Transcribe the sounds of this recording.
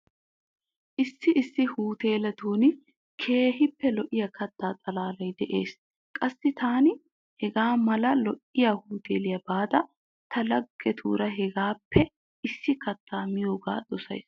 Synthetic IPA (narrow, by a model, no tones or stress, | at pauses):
ʔɪsːɪʔɪsːɪhuːt̪e̞ːlɐt̪uːnɪ | kʰeːɦɪpːɛlɔʔɪjɐkʰɐt̪ːaːt̪ʼɐlaːlɐjd̪ɛʔe̞ːs | kʼɐsːɪt̪aːnɪ | hɛɡaːmɐlɐlɔʔɪjahuːt̪ʰḛːlɪjɐbaːd̪ɐ | t̪ʰɐlɐɡːɛt̪ʰṵːɾɐɦɛɡaːpʰːɛ | ɪsːɪkɐt̪ːaːmɪjo̞ːɡa̰ːd̪̥ɔsɐ̰js